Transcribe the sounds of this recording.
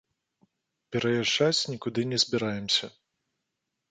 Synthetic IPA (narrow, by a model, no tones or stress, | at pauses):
pʲɛɾɐjaʐat͡sʲnʲikud̪ɨnʲɛzʲbʲiɾajɛmsʲɐ